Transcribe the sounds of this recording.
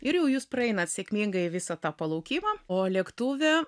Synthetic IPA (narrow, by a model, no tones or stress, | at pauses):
ɪɾjɛʊjuːspɾɐɛɪnɐt̪sʲekʲmʲiːŋɡɐɪʋʲɪsɐt̪ɑːpɐlˠɐʊkʲiːmɑːoːlʲiɛkt̪uːʋʲɛ